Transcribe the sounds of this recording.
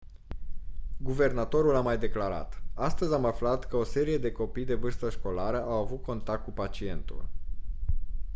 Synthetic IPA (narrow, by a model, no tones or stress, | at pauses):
ɡuve̞rnat̪o̞ɾulamajd̪e̞klaɾa̰t̪ast̪əzʲamaflat̪kəo̞se̞ɾije̞d̪e̞ko̞pijd̪e̞vɨrst̪əʃko̞laɾəʔawavut̪̚ko̞nt̪ak̚k̪̚kupat͡ʃie̞nt̪ṵl